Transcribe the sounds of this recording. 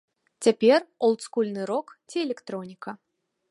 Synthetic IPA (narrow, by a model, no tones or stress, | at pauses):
t͡sʲapʲɛrɔlˠt̪skulʲnɨɾɔkt͡sʲiɛlʲɛkt̪ɾɔnʲikɐ